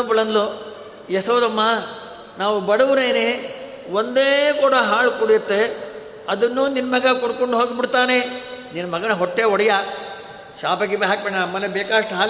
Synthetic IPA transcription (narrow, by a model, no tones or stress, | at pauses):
ɐpuɭɐnlu | jɛsɐʋd̪ɐmːa | naːʋubɐɽɐʋuɾeːne | ʋond̪eːkuːɽɐɦaːɭkuɽijɐt̪ːe | ɐd̪ɐnːuːninmɐɡɐkuɽkoɳɖuɦoːɡbiɽt̪aːneninɐmɐɡɐnɐɦɔʈːeɔɽɐjɐ | ʃaːpɐɡibeɦaːk̚beɳɐɐmːɐnebeːkaːɐʂʈɐɦaːl